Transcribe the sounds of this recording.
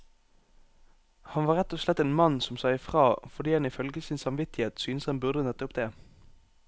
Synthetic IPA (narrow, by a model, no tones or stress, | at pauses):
hɑnʋɑːʁɛt̪ːɔslɛt̪ːeːnmɑnsɔmsɑɪfʁɑːfɔʁd̪iːhɑnɪfœlɡəsɪnsɑmʋɪt̪ɪheːt̪syːnəshɛnbʉʁd̪ənɛt̪ːəʊpd̪eː